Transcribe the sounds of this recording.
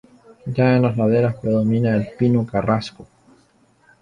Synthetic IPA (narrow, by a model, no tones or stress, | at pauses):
d͡ʒaenlaslaðe̞ɾaspɾe̞ðo̞mĩnaelpinokarasko